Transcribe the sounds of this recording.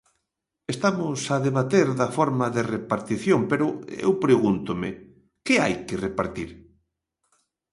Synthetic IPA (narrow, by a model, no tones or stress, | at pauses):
est̪amʊsɐðeβat̪eɾðɐfɔɾmɐðerepaɾt̪iθjompeɾʊḛwpɾeɣunt̪ʊmɪ | kɪajkɪrepaɾt̪iɾ